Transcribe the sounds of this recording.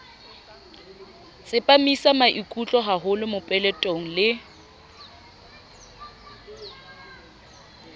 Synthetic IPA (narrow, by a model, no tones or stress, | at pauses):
sɪpʼamisamaʔikʼut͡ɬʼɔɦaɦʊlɪmʊpʼɛlɛtʼoŋ̩lɪ